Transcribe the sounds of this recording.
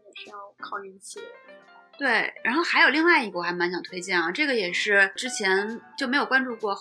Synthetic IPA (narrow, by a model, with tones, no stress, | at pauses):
pʰɑ˥˩ʊkʰɑ˨˩ʊi˧˥nt͡ɕʰi˨˩ | t̪we˥˩ɪɻa̰˧˥nxo˥˩ʊxa˧˥ɪjo˨˩ʊli˥˧ŋwa˥˩ɪi˧˥ɡə˩wɔ˨˩xa˥ɪma˧˥nɕjɑ˨˩ŋt̪ʰwe˥ɪt͡ɕjɛ˥˩nɐ˩ʈ͡ʂɤ˥˩ɡə˩jɛ˨˩ʂɻ̩˥˩ʈ͡ʂɻ̩˥t͡ɕʰjɛ˧˥nt͡ɕjo˥˩ʊme˧˥ɪjo˨˩ʊwa˥nʈ͡ʂu˥˧kwɔ˥˩